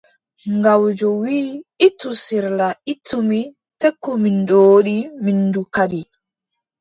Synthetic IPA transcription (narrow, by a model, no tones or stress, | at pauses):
ŋɡawd͡ʒɔwiːitːusiɾlaitʰːumi | tekːumindɔɗiminːdukaɗi